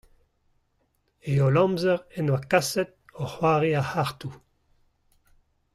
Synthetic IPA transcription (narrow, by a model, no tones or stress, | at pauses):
eolɔ̃mzɛʁɛnwakasɛt̪̚ | ɔhwaːʁiahaʁt̪u